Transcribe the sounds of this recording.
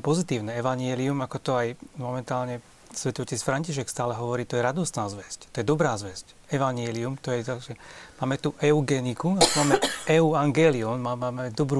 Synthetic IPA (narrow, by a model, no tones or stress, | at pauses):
pɔzit̪iːʊnɛɛʋaɲɪɛliumakɔt̪ɔajmɔmɛnt̪aːlɲɛ | sʋɛt̪ɔʋɔcɛsfɾaɲciʃ̬ɛkst̪aːlɛɦɔʋɔɾiːt̪ɔjɛɾad̪ɔst̪naːzʋɛsct̪ɔjɛd̪ɔbɾaːzʋɛsc | ɛʋaɲɛliumt̪ɔjɛzaʒɛmaːmɛt̪uʔɛuɡɛnikuat̪umaːmɛɛuaŋɡɛːliɔnmaːmaːmɛɛd̪ɔbɾu